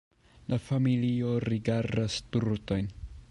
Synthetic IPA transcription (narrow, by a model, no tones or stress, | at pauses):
lafamilio̞ɾiɡaɾdastuɾto̞jn